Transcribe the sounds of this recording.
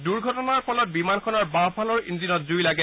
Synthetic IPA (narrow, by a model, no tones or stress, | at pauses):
duɹɡʱɔtɔnaɹpʰɔlɔt̚bimankʰɔnaɹbapʰalɔɹḭnzinɔt̚zujlaɡɛ